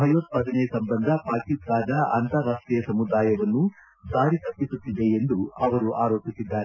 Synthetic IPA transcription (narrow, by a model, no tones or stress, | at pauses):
bʱɐjot̪̚pɐːd̪ɐnesɐmbɐnd̪ʱɐpaːkisaːd̪ɐʔɐ̰nt̪ɐɾaːʂʈɾijɐsɐmud̪aːjɐʋɐnːu | saːɾit̪ɐpːisut̪ːid̪eend̪uɐʋɐɾuʔaːɾoːpisid̪ːaːɾe